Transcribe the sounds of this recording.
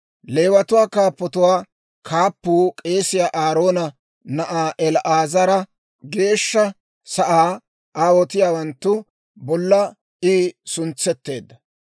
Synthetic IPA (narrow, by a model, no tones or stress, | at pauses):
le̞ːwɐt̪ʊwaːkaːpːɔt̪ʊwaː | kʰaːpːuːkʼe̞ːsɪjaːʔaːɾo̞ːnɐ | nɐʔaːʔɛlʔaːzɐɾɐ | ɡe̞ːʃːɐ | sɐʔaː | aːwɔt̪ɪjaːwɐnt̪ːʊ | bɔlːɐ | iːsʊnt͡sːɛt̪ːe̞ːd̪ːɐ